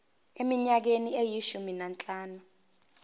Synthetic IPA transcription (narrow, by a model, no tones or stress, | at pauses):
emiɲak̬eniejiʃuminant͡ɬʼaːnu